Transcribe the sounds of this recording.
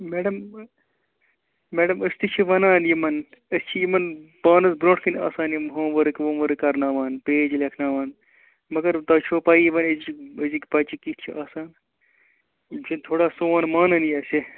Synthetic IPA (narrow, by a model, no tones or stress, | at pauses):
meːɖɐm | meːɖɐməst̪it͡ʃʰiʋɐnaːnjimɐn | ɨst͡ʃʰijimɐnpaːnɐsbɾõːʈʰkɐna̰ːsaːnjimɦõːʋɐɾɨkʲʋõːʋɐɾɨkɐɾnaːʋaːnpeːd͡ʒilekʰnaːʋaːn | mɐɡɐɾt̪ɐːt͡ʃʰoːpaːiiʋɐniziɨzikpɐt͡ʃikit͡ʃʰiʔaːsaːn | t͡ʃʰint̪ʰoːɽaːsoːɐːnmaːnɐnjɐsʲi